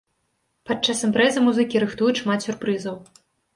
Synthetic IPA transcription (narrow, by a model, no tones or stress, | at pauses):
pat̪̚t͡ʂːasɨmpɾɛzɨmuzɨkʲiɾɨxt̪ujuʂmat̪sʲurpɾɨzɐw